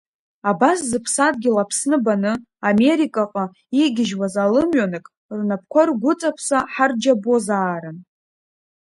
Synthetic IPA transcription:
abaszɨpʰsad̚ɡʲɪlapʰsnɨbanɨ | ame̞ɾikʼaqʼa | iɡʲɪʒwazalɨmɥanɨkʼ | rnapʰkʷʰarɡʷʊt͡sʼapʰsaħard͡ʒabozaːɾɨn

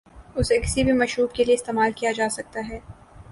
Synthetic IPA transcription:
ʊsekɪ̥sibʱimɐʃɾuːbkelieɪst̪eːmaːlkijad͡ʒaːsɐk̚t̪aɦɛː

